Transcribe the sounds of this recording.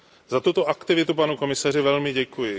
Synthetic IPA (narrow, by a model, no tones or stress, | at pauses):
zat̪ut̪oʔakt̪ɪvɪt̪upanuko̞mɪsarɪvɛlmɪɟɛkujɪ